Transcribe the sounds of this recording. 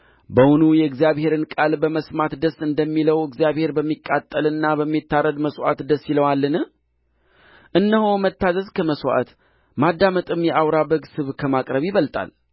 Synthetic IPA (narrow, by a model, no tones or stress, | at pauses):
bəhʊnujɛɨɡzijaβhe̞ɾɨnkʼalbəməsmat̪d̪əsɨnd̪əmːiləwɨɡzijaβhe̞ɾbəmːikʼːat̪ʼːəlɨnːabəmːit̪ːaɾəd̪məswʷʔa̰t̪d̪əsːiləwalːɨnɨ | ʔɨnːəɦomət̪ːazəzkʰəməswʔa̰t̪ | mad̪ːamət̪ʼɨmjɛʔawɾaβəɡsɨβkʰəmakʼɾəβjiβəlt̪ʼa̰l